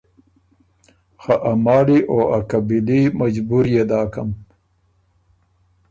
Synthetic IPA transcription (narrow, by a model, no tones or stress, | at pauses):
xaʔamɑːliʔoakabilimad͡ʒbuɾjed̪ɑːkam